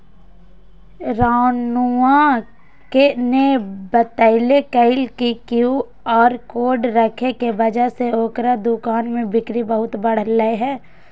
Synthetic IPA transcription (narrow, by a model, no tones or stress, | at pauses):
ɾaːnuã | kenebət̪əɪlekəɪlkikju | ɔːɾkoːɖɾəkʰekebɐd͡ʒəɦseoːkɾad̪ʊkaːnmẽbɪkɾibəɦʊt̪bɐɽ̤əlːəeɦɛː